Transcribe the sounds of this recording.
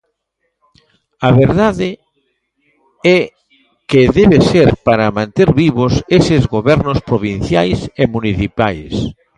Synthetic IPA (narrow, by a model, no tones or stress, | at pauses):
aβeɾðaðe | ɛ | keðeβeseɾpaɾamãnt̪eɾβiβosesezɣoβɛɾnospɾoβ̞ĩn̟θjajsemuniθipajs